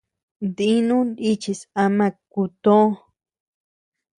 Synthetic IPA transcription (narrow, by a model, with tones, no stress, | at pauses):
nd̪i˦nũ˦ni˦t͡ʃi˧sa˧mã˧k̚u˧t̪õ˦